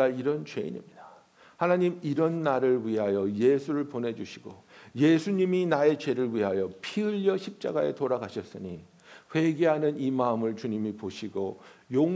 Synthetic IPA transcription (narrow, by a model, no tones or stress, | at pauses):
aiɾʌnt͡ɕwe̞̰ḭɲḭmɲida | hanaɲimiɾʌnːaɾɯɭɥiɦajʌjesʰuɾɯɭpone̞d͡ʑuɕʰiɡoje̞sʰuɲiminae̞t͡ɕe̞ɾɯɭɥiɦajʌpʰiɯʎːʌɕʰip̚t͡ɕ͈a̰ɡae̞̰toɾaɡaɕʰʌs͈ɯɲi | ɸwe̞ɡe̞ɦanɯnimaɯmɯɭt͡ɕuɲimipoɕʰiɡojoŋ